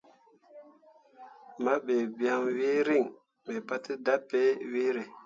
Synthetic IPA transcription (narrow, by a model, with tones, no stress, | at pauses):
ma˦be˨bi˨a˦ŋwi˦ɾi˦˨ŋ | me˨pa˦ti˦da˦pːe˦wi˦ɾe˨